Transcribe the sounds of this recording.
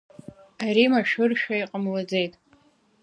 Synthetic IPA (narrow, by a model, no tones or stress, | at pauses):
aɾimaʃᶣʊrʃᶣaiqʼəmlad͡ze̞jtʼ